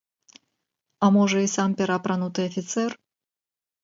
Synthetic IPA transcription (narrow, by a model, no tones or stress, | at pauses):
amɔʐɛisampʲɛɾapɾanut̪ɨjɐfʲit̪sɛr